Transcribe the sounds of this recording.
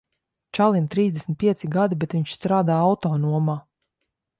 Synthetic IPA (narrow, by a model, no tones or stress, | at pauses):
t͡ʃalˠint̪ɾiːzd̪ʲesn̩ʲt̪̚pʲiɛsiɡad̪ibɛt̪viɲʃst̪ɾaːd̪aːawt̪ɔːnuɔmaː